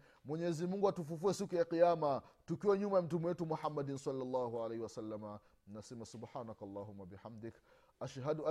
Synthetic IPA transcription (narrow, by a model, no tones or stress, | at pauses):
mwɛɲɛzimuŋɡuatufufuɛsikujaqijamatukiwɛɲumajam̩tumiwɛtumuħamːadinsalːalːaːhualejhiwasalːama | nnasɛmasubħaːnakalːaːɦumːabiħamd̪ɪk | aʃɦadua